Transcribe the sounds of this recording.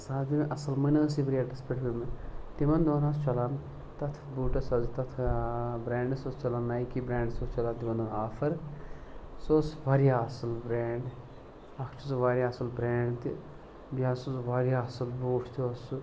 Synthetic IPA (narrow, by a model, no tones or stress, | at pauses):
saːzimʔɐsɐlmɐnəːsiʋɐɾjaːɖɐspəʈʰint̪imɐnd̪oːnaːst͡ʃɐlan | t̪ɐt̪ʰbuːʈɐsazit̪ɐt̪ʰbɾeːɳɖsost͡ʃɐlannaːjkibɾeːɳɖsost͡ʃɐlaːnt̪imɐnɨaːfɐɾ | soːsʋaːɾijaɐsɐlbɾeːɳɖ | ɐkʰt͡ʃʰuzʋaːɾjaːɐsɐlbɾeːɳɖt̪i | biaːsozʋaːɾijaɐsɐlboːʈʰt̪os